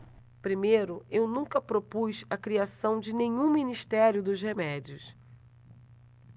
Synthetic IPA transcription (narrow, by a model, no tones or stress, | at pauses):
pɾimejɾʊewnũkɐpɾopuzɐkɾiasɐ̃w̃d͡ʒɪnẽɲũminiʃt̪ɛɾjʊd̪ʊzhemɛd͡ʒiʊs